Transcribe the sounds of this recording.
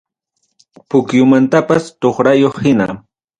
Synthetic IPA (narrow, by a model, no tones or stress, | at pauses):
pʊkjʊmant̪apast̪oχɾajoχhɪna̰